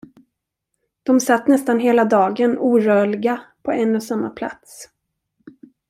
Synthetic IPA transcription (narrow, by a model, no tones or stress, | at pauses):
d̪̥ɔmsat̪ːnɛst̪anɦeːlad̪ɑːɡənuːɾœːɭɪɡapʰɔɛnːɔsamːa̰pʰla̰t̪s